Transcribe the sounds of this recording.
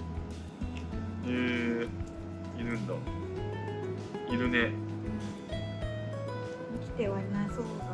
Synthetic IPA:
eː | iɾɯ̟̃nd̪a | iɾɯ̟nẽ | ikʲi̥t̪eβainaso

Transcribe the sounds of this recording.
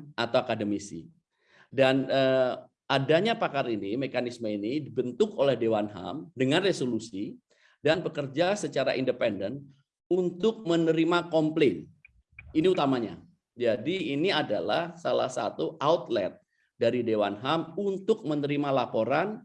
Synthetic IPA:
at̪awakadəmisḭ | danə | adaɲapakaɾinimekanisməinidibənt̪ʊkolɛhdewanɦa̰mdəŋanresolusi | danbəkərd͡ʒasət͡ʃaɾa̰ʔindəpɛndən | unt̪ʊk̚mənəɾimakɔmplɪn | iniut̪amaɲa̰ | d͡ʒadiːniadala̰hsala̰hsa̰t̪uʔaut̪lɛ̰t̪̚ | daɾidewanɦamunt̪ʊk̚mənəɾimalapoɾan

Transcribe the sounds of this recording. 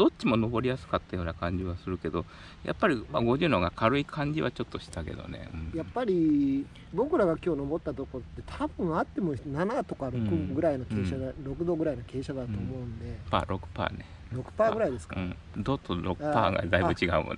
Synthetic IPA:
d̪̥o̞tt͡ɕːimo̞no̞bo̞ɾʲijasɨ̥kat̪ːajo̞ːnakãɲ̟d͡ʑiβasɨɾɯ̟ke̞d̪o̞ | jʔa̰pːaɾʲimaɡo̞ʑɨːnoɡakʰaɾɯ̟ikʰãɲ̟d͡ʑiβat͡ɕo̞t̪ːo̞ɕi̥t̪ake̞̰d̪o̰ne̞̰ɯ̟̃ɴjapːaɾʲi | bo̞kɯ̟ɾaɡakʲo̞ːno̞bo̞t̪ːat̪o̞ko̞ɾot̪ːe̞t̪ʰabɯ̟̃ɰ̃at̪ːe̞monanat̪o̞kaɾokɯ̟ɡɯ̟ɾaino̞keːɕaaɾo̞kɯ̟d̪o̞ɡɯ̟ɾaino̞ke̞ːɕad̪at̪o̞ːmo̞ɯ̟̃nd̪epa̰ːɾʔo̞kɯ̟̥pa̰ːne | ɾo̞kɯ̟̥paːɡɡɯ̟ɾaid̪e̞sɨ̥kaaɯ̃ | d̪ot̪ːoɾo̰kpa̰ːɡa̰d̪aibɯ̟t͡ɕiɡa̰ɯ̰mo̰n

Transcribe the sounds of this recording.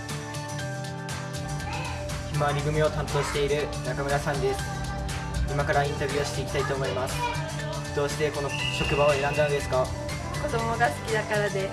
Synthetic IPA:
çʲimaɲ̟iɡɯ̟mʲio̞t̪ãnt̪o̞ːɕi̥t̪e̞iɾɯ̟nakamɯ̟ɾasãnd̪e̞sɨ̥ | imakaɾaĩnt̪abʲɯːoɕi̥t̪e̞ikʲt̪ait̪o̞ːmo̞imasɨ̥ | d̪̥o̞ːɕi̥t̪e̞ko̞no̞ɕo̞kɯ̟baoe̞ɾãnd̪and̪e̞sɨ̥ka | ko̞d̪o̞mo̞ɡasɨ̥kʲid̪akaɾad̪e̞

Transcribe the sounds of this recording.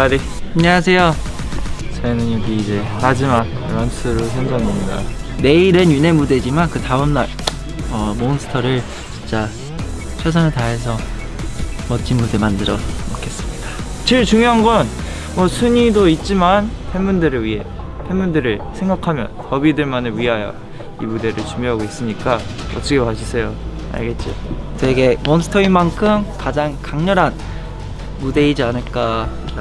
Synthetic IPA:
aɾi | aɲːeas̬ʰe̞jo | t͡ɕʌinɯnjʌɡiːd͡ʑe̞mad͡ʑima | ɾʌnsʰɯɾosʰʌnd͡ʑaŋimida̰ne̞iɾenjune̞mude̞d͡ʑimankɯtaɯmna̰ɭ | ʌmonsʰɯ̥tʰʌɾɯɭ | t͡ɕint͡ɕ͈a | t͡ɕʰes̬ʰʌnetaes̬ʰʌ | mʌt͡ɕ͈ʰinmudemandɯɾʌmokʰe̞s͈ɯmɲid̥ḁ | t͡ɕɯɭt͡ɕuŋjoɦanɡʌn | mwʌsʰɯɲidoit̚t͡ɕ͈imanhemundɯɾɯɭɥiɦe̞ | hemundɯɾɯɭsʰeŋɡakʰamjʌ̰nkʌbidɯɭmanɯɭɥiɦajʌ̰ | imude̞ɾɯɭt͡ɕuŋjoɦaɡois͈ɯmɲik͈aʌ̰t͈ʌkʰepaɕʰisʰe̞jo | a̰ɭɡe̞t̚t͡ɕ͈oteɡe̞monsʰɯ̥tʰʌimankʰɯmkad͡ʑaŋkaŋɲʌɾɦan | mude̞id͡ʑianɯɭk͈a

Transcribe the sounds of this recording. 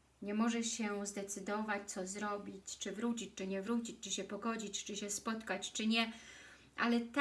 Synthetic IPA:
ɲɛmɔʐɛɕɛzd̪ɛt̪sɘd̪ɔvat͡ɕt̪sɔzɾɔbʲit͡ɕt͡ʂɘvɾut͡ɕit͡ɕt͡ʂɘɲɛvɾut͡ɕit͡ɕt͡ʂɘɕɛpɔɡɔd͡ʑit͡ɕt͡ʂɘɕɛspɔt̪kat͡ɕt͡ʂɘɲɛ | ʔa̰lɛt̪

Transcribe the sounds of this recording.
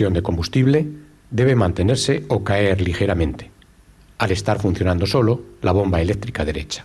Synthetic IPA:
jo̞nd̪e̞ko̞mbust̪iβ̞le̞ | d̪e̞β̞emãnt̪e̞ne̞ɾse̞o̞kae̞ɾlixe̞ɾamẽ̞nt̪e̥ | ale̞st̪aɾfun̟θjo̞nãnd̪o̞so̞lo̞laβ̞o̞mbae̞le̞k̚t̪ɾikað̞e̞ɾe̞t͡ʃḁ

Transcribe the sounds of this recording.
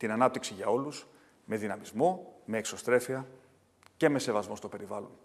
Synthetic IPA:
t̪inɐnɐp̚t̪iksiʝɐo̞lus | me̞ðinɐmizmo̞me̞ːkso̞st̪ɾe̞fiɐ | ce̞me̞se̞vɐzmo̞st̪o̞pe̞ɾivɐlo̞n

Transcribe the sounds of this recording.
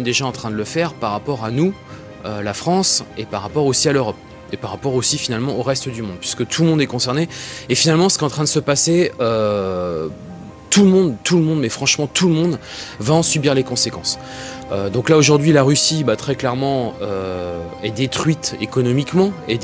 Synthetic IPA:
d̪eʒaɑ̃t̪χɛ̃d̪ələfɛʁpaʁːapɔʁanu | ølafχɑ̃sepaʁapɔʁosialøʁɔp | epaʁapɔʁosifinalmɑ̃oʁɛst̪əd̪ymɔ̃d̪̚pɥi̥sə̥kət̪ʰulmɔ̃d̪ɛkɔ̃sɛʁneːfinalmɑ̃sə̥kʲɛɑ̃t̪χɛ̃d̪əsəpaseø | t̪uləmɔ̃d̪t̪uləmɔ̃d̪mɛfχɑ̃ʃmɑ̃t̪ʰuləmɔ̃d̪vaɑ̃sybiʁlekɔ̃sekɑ̃s | ød̪ɔ̃klaoʒuʁd̪ɥilaʁysibat̪χɛklɛʁmɑ̃ø | ɛd̪et̪χɥit̪ekɔnɔmikmɑ̃e

